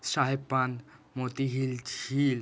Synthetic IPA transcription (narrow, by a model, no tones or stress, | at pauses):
ʃaɦepːanmot̪iɦilil